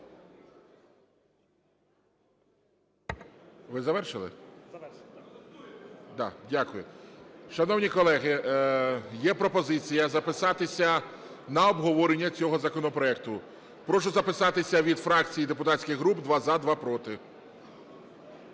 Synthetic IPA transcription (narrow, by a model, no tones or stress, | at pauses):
ʋɪzɐʋɛrʃɪlˠɪ̰ | d̪ɑ̰dʲakʊjʊʃɐnɔwnʲikɔlˠɛɦɪ | jɛpɾɔpɔzɪt͡sʲijɐzɐpɪsɑt̪ɪsʲɐ | nɐɔbɦɔʋɔɾenʲːɐt͡sʲɔɦɔzɐkɔnɔpɾɔɛk̚t̪ʊ | pɾɔʃʊzɐpɪsɑt̪ɪsʲɐʋʲid̪fɾɑkt͡sʲijid̪epʊt̪ɑtʲsʲkʲɪɣɦɾubd̪ʋɑzɐd̪ʋɑpɾɔt̪ɪ